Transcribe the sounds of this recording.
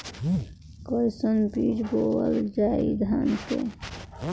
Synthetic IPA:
kɔɾsənbiːd͡ʒboəld͡ʒaːid̪ʱaːnkḛ

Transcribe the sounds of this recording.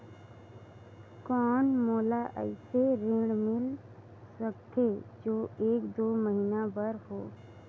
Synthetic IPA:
kɔːnmoːlaʔɛ̰ɪseɾɪ̃ɽmɪl | səkt̪ed͡ʒoːeːkd̪oːməɦiːnabəɾhoː

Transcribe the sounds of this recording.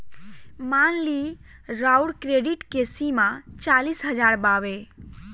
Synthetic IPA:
maːnliɾawɽkɾeɖiʈkesimãt͡ʃaːliːsɦəd͡ʒaːɾbaːʋe

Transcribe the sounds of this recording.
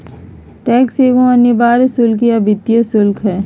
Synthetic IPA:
ʈɛːkseːɡõɐnjebaːɾsʊlkiɐbʱɪt̪jəsʊlkɦɛː

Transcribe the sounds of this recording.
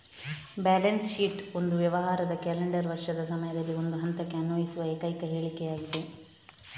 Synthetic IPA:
bɛːlɐnsʃiːʈo̞nd̪uʋjɐʋɐɦaːɾɐd̪ɐkɛːleɳɖɐɾʋɐɾʂɐd̪ɐsɐmɐjɐd̪ɐlːio̞nd̪uɦɐnt̪ɐkːeɐnuʋɐjisuʋɐeːkɐjkɐɦe̞ːɭikːejaːɡid̪e

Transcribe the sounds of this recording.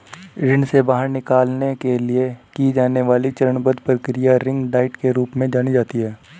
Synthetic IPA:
ɾɪ̃nsebaːɦəɾnɪkaːlnekeliekid͡ʒaːneʋaːlit͡ʃɐɾəɳbəd̪pɾəkɾijaɾɪ̃ŋɡɖaːɪʈkeɾuːpmẽd͡ʒaːñid͡ʒaːt̪iɦɛː

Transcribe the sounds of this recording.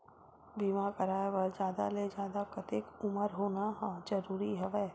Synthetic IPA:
biːmakəɾaːjʋəɾd͡ʒaːd̪a̰led͡ʒjaːd̪akət̪ekʊməɾɦoːnaɦãd͡ʒəɾuːɾiɦɛʋɛ

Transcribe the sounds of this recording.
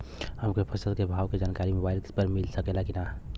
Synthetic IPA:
həmkepʰəsəd̪̚kebʱaʋked͡ʒankaɾimobaɪlpəɾmilsəkelakina

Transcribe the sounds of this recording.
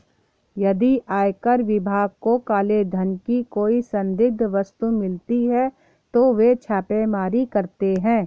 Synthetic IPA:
jɐd̪iʔaːjkəɾʋɪbʱaːɡ̚kokaːled̪ʱɐnkikoːisɐ̃nd̪ɪɡ̚d̪ʱʋɐst̪umɪlt̪iɦɛ | t̪oʋet͡ʃʰaːpemaːɾikɐɾt̪eɦɛ̃ː

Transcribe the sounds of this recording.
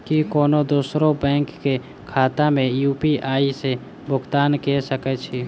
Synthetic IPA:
kikoːnod̪uːsɾobɛ̃ːŋkːe | kʰaːt̪amẽjuːpiʔaːise | bʊɡt̪aːnkɛsəkɛt͡ʃʰi

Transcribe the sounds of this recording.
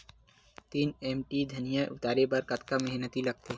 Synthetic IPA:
t̪iːneːmʈid̪ʱɐnijãʔʊ̰t̪aːɾebɐɾkɐt̪kamɛɦnət̪ilɐɡ̚t̪eː

